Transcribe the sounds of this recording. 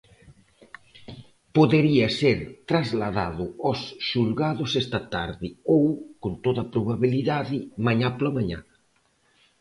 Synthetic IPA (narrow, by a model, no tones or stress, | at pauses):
poðeɾiɐseɾt̪ɾazlaða̰ðʊosʃulɣaðʊsɛst̪ɐt̪aɾðɪowkont̪oðɐpɾoβaβiliðaðɪmaɲaplamaɲa̰